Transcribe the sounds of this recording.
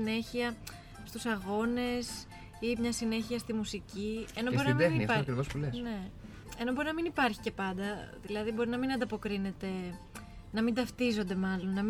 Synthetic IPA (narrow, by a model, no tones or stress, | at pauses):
ine̞çiɐ | st̪usɐɣo̞ne̞s | imɲɐsine̞çiɐst̪imusicienobo̞ɾiɐmeɐoɐkɾivospulesne̞ | e̞no̞bo̞ɾinɐminipɐɾçi̥ce̞pɐnd̪ɐðilɐðibo̞ɾinɐminɐnd̪ɐpo̞kɾine̞t̪e̞ | nɐmind̪ɐft̪izo̞nd̪e̞mɐlo̞nːɐm